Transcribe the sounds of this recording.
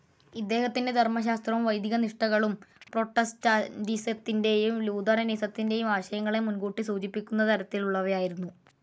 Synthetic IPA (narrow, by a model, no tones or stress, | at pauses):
id̪ːe̞ːhɐt̪ːinde̞d̪ʱermɐɕ̬aːst̪rɐʋɐjd̪ʱiɣɐniʂʈɐɣɐɭumpro̞ʈːɐstɐɖiset̪ːinde̞jumluːd̪ɐɾɐniːsɐt̪ːinde̞jumaːɕɐjɐŋːɐɭe̞munɡuːʈːisuːd͡ʑipːikʲːunːɐt̪ʰɐɾɐt̪ːiluɭːɐʋɐjaːjiɾunːu